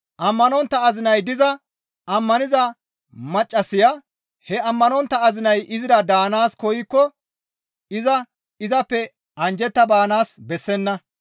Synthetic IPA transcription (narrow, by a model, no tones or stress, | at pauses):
ʔɐmːɐnɔnt̪ːɐːzɪnɐjd̪ɪzɐ | ɐmːɐnɪzɐ | mɐt͡ʃʼːɐsɪjɐ | hɛɐmːɐnɔnt̪ːɐɐzɪnɐjʔɪzɪɾɐd̪aːnaːskɔjɪkːɔ | ɪzɐ | ɪzɐpːɛ | ɐnd͡ʒɛt̪ːɐbaːnaːsbɛsːɛnːɐ